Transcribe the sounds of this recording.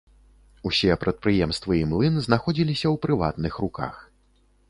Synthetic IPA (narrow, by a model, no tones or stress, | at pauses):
usʲiɛpɾɐt̪̚pɾɨjɛmst̪vɨimlˠɨnɨznaxɔd͡zʲilʲisʲɐwpɾɨva̰t̪̚nɨxruka̰x